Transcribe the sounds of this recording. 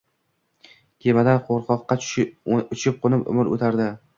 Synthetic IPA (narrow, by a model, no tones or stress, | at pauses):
kʲʰemad̪anqʰoɾqʰɒqːɑt͡ʃʰʊ̥ʊt͡ʃʰɪp̚qʰonɪpʊ̰mɪɾo̰t̪ʰaɾd̪ɪ